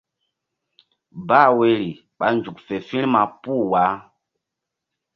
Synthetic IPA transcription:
ba˦˨we˨˦ɾi˨ | ɓa˨˦nd͡ʒu˨kfe˨fĩ˦lma˨pu˦˨wa˨˦

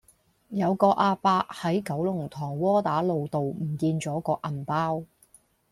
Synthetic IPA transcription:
jɐ˨˧wkɔː˧ʔaː˧paː˧hɐ˨˥jkɐ˨˥wlʊ˨˩ŋt̪ʰɔː˨˩ŋwɔː˥t̪aː˨˥lo˨wt̪o˨wm̩˨˩kiː˧nt͡sɔː˨˥kɔː˧ʔɐ˨npaː˥w

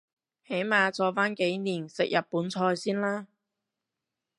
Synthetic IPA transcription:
he˨˥jmaː˨˧t͡sɔː˧faː˥nke˨˥jniː˨˩nsɪ˨k̚jʔɐ˨t̚puː˨˥nt͡sʰɔː˧jsiː˥nlaː˥

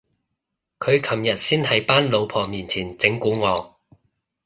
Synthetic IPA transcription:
kʰɵ˨˧ɥkʰɐ˨˩mjɐ˨t̚siː˥nhɐ˨˥jpaː˥nlo˨˧wpʰɔː˨˩miː˨nt͡sʰiː˨˩nt͡sɪ˨˥ŋkuː˨˥ŋɔː˨˧

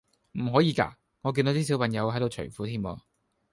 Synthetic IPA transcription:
m̩˨˩ɦɔː˨˥jiː˨˧ka̰ː˧ | ŋɔː˨˧ki˧no˨˥t̪iː˥s̬i˨˥wpʰɐ˨˩ŋjɐ˨˧whɐ˨˥jt̪o˧wt͡ʃʰɵ̰˨˩fuː˨˥t̪ʰiː˥mɔ̰ː˧

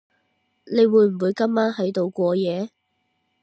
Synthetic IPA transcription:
ne˨˧jwuː˨˧˥jm̩˨˩wuː˨˧jkɐ˥mːaː˥nɦɐ˨˥jt̪o˨˧wkʷɔː˧jɛː˨˧

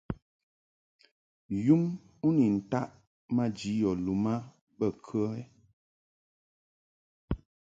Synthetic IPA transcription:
ju˦m | u˦ni˨n̩˨ta˦ʔ | ma˦d͡ʒi˨˦jɔ˨lu˨ma˦ | bə˦˨kʰə˦ɛ˦

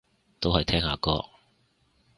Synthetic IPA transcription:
t̪o˥whɐ˨jt̪ʰɛː˥ŋhaː˧kɔː˧k̚

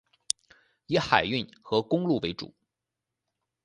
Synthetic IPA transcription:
i˧˥xa˨˩ɪy˥˩nxɤ˧˥kʊ˥ŋlu˥˩we˧˥ɪʈ͡ʂṵ˨˩˦

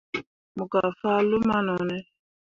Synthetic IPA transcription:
mu˨ka˨fa˦lu˦ma˦nɔ˨nɛ˦

